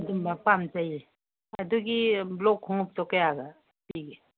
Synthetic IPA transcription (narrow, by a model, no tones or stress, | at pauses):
dumbapamzaje | aduɡiblɔkʰhɔŋup̚tɔkejaɡa | piɡe